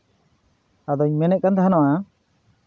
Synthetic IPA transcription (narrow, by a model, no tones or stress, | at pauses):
ad̪ɔiɲmɛnɛʔ̚kant̪aɦanɔʔa